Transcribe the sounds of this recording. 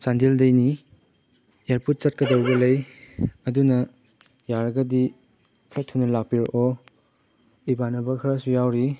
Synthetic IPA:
sandildɐjni | eɾpʰut̚t͡ʃɐt̚kɐdɐwbɐlɐjɐdunɐ | jaɾɐɡɐdi | kʰetʰːunɐlak̚piɾʔɔ | ibanɐbɐkʰɐɾɐsujawɾi

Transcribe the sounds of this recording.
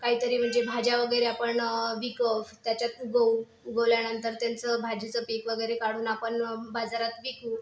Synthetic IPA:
kaɦiːt̪əɾiːm̤əɳd͡zebʱad͡ʑjaʋəɡəjɾeapəɳʋikəft̪jat͡ɕjat̪uɡəw | uɡəʋljanənt̪əɾt̪jant͡səbʱad͡ʑit͡səpekʋəɡəjɾekaɽuːnapəɳbad͡zaɾat̪ʋiku

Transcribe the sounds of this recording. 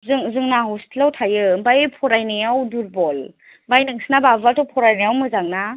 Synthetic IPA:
zɯŋzɯŋnaɦɔstʰilawtʰajɯbajpʰɔɾajnɯjawduɾbɔl | bajnɯŋsnababatɔpʰɔɾajnajawmɯzaŋna

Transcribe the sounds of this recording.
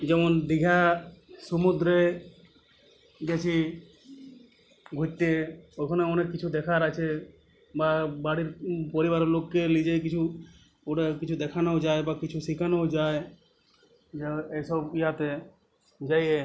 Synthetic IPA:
d͡ʒɛmɔnd̪iɡʱasɔmud̪ɾe | ɡɛt͡ʃʰi | ɡʱut͡ʃʈːeokʰɔneɔnekit͡ʃʰud̪ɛkʰaɾat͡ʃʰe | babaɽiɾpɔɾibaɾlokːelid͡ʒekit͡ʃʰu | oʈekit͡ʃʰud̪ɛkʰanad͡ʒaebakit͡ʃʰusikʰanad͡ʒae | d͡ʒeesɔbiɦat̪e | d͡ʒaje

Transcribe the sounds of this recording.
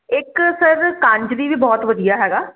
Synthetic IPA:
ɪksəɾkãːɲd͡ʒɾiːʋiːbɔːt̪ʋəd̪ijaːɦɛːɡaː

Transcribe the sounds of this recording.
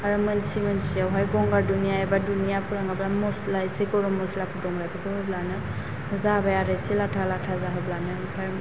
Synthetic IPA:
aɹumɯnsimɯnsiawɦajɡɔŋɡaɹdunijaɛbadunijapuɹaŋablamɔslajsekɔɹɔmɔslakʰudɔŋlajpʰɔkɔɦɔblanɯ | zabajaɾasilatʰalatʰazaɦɔblanɯpʰa

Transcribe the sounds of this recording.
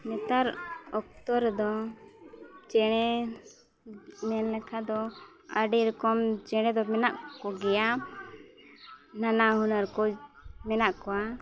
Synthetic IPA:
nɛt̪aɾɔk̚t̪ɔɾd̪ɔ | t͡ʃɛɽ̃ɛ | mɛnlɛkʰad̪ɔ | a̰ɖɛɾɔkɔmt͡ʃɛɽ̃ɛd̪ɔmɛnaʔkɔɡɛja | nanaɦunaɾkɔmɛnaʔkɔwa

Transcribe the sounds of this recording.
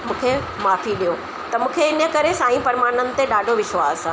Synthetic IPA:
mũːkʰe | maːfiɗijo | t̪ɐmũːkʰeɪnəkɐɾesaːĩpɐɾmaːɽ̃ənɪ̆t̪eɗaːɖʱoʋɪʃʋaːs

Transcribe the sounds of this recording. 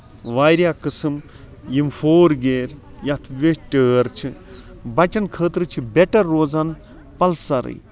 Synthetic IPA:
ʋaːɾjaːkɨsɨm | jimfoːɾɡeːɾ | jɐt̪ʰʋeʈəːɾt͡ʃʰi | bɐt͡ʃɐnkʰəːt̪ɾɨt͡ʃʰibeʈɐɾːoːd͡zan | pɐlsɐɾɨ̰j

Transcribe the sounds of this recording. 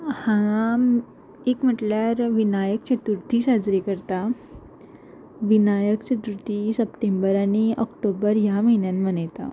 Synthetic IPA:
hãa | ekm̤əʈljaɾʋinajək̚t͡ɕət̪uɾt̪iːsad͡zɾikəɾt̪a | ʋinajəkt͡ɕət̪uɾt̪isəpʈembəɾañiʔɔkʈobəɾjaməɦinjanmənajt̪a̰

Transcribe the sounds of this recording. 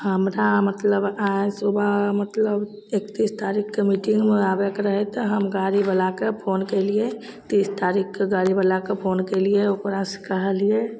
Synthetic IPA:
həmɾamət̪ləbaːsubamət̪ləb | eːkt̪iːst̪aːɾikkemiːʈɪ̃ŋɡmeaːbəkɾəɦet̪oɦəmɡaːɾibəlakepʰoːnkelie | t̪iːst̪aːɾikʰkeɡaːɾibəlakepʰoːnkelieokɾaskəɦəlie

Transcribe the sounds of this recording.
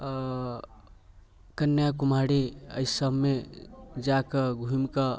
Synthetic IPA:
kənːjakumaɽiə̰jsəbʱmed͡ʒakəɡʱuimkə

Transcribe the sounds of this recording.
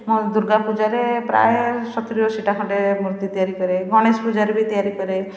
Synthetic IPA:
mod̪uɾɡapud͡ʒaɾepɾa̰jesɔt̪ɾijɔsiʈakʰɔ̃ɖemɾt̪it̪ijaɾikɔɾeɡɔɽ̃espud͡ʒaɾebʱit̪ijaɾikɔɾe

